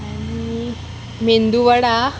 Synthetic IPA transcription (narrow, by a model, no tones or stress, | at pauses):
anii | mend̪uʋəɽa